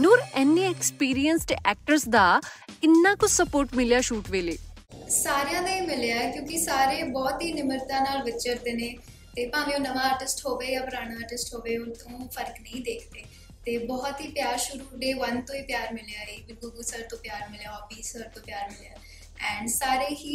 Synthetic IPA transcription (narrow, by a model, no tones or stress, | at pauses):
noːɾɛːnːĩːɛkspiːɾiənsʈʔɛːk̚ʈəɾsd̪aːkɪnːãːkʊt͡ʃʰsəpoːɾʈmɪlejaːʃuːʈʋeːleː | saːɾjãːd̪ẽːiːmɪljaːɛkjõːkɪsaːɾeːbɔːt̪ɦiːnɪməɾt̪ãːnaːlʋɪtt͡ʃəɾd̪eːneː | t̪eːpãːniːõːnəʋãːəɾʈɪsʈɦoːʋeːjaːpəɾaːɽ̃ãːəːɾʈɪsʈɦoːʋeːont̪õːpʰəɾknəĩːd̪eːkʰd̪eː | t̪eːbɔːt̪ɦiːpjaːɾʃʊɾuːɖeːʋənt̪õːiːpjaːɾmɪlejaːiːbɪɡoːɡuːsəɾt̪õːpjaːɾmɪljaːoːbiːsəɾt̪õːpjaːɾmɪljaː | ɛ̃ːɳɖsaːɾeːɦiː